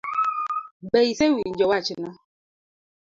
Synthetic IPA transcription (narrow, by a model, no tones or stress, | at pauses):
bɛisewiɲ̩d͡ʒɔwat͡ʃina